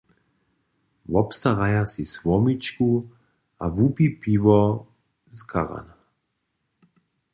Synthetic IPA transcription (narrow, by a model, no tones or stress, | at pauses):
vɔpst̪aʁajasisʋɔmit͡ʃku | a̰vupipivɔ | zkʰa̰ʁa̰na